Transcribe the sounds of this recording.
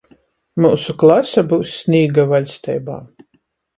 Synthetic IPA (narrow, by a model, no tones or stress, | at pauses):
muːsuklˠasabuːsːnʲiːɡavalʲst̪ɛjba̰ː